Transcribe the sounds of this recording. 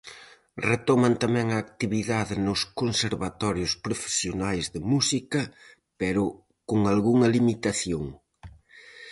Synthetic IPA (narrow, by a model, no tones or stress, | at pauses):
ret̪ɔmɐnt̪amɛ̃ŋɐːk̚t̪iβiðaðɪnʊskonseɾβat̪ɔɾjʊspɾofe̥sjonajzðɪmusikɐ | pɛɾʊ | koŋalɣuŋɐlimit̪aθjoŋ